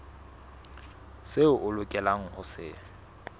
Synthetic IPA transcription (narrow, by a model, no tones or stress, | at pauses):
seʊʔʊlʊkʼɛlaŋ̩hʊsɪ̰ː